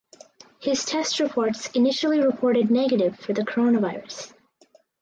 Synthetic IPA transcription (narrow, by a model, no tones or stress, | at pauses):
hɪz̥tʰɛst̚ɹɨpʰɔɹtsɨnɪʃl̩ˠiɹɨpʰɔɹɾɨdⁿnɛɡɨɾɪv̥fə˞ðɨkʰə˞õʊ̃ñəvaɪɹɨs